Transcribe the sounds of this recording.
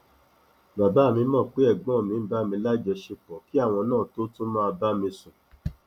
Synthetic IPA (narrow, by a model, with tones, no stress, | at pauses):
ba˨ba˨˦˨mĩ˧˦mɔ̃˦˨k͡pe˨˦ɛ˦˨ɡ͡bɔ̃˨˦˨mĩ˧˦ba˦˨mĩ˧˦la˦d͡ʒɛ˧ʃe˧k͡pɔ˨ki˦a˦˨w̃ɔ̃˧nãː˦˨to˦tũ˦mã˦a˧ba˦mĩ˧sũ˨